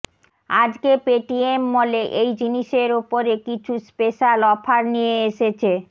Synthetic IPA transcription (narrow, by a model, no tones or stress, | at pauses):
ad͡ʑkepeʈiemːoleʔejd͡ʑiniʃeɾopoɾekit͡ɕʰuspeʃalɔfaɾnijeeʃet͡ɕʰe